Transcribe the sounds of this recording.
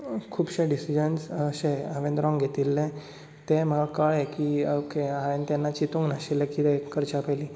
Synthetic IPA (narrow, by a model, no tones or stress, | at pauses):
kʰuːbɕẽɖisid͡ʑənsɕeəʋẽnd̪ɾɔ̃ŋɡʱet̪ilːẽ | t̪em̤əɡakaɭɛkiokeaent̪ɛnːat͡ɕit̪ũŋɡnaɕilekit̪ekəɾt͡ɕapəli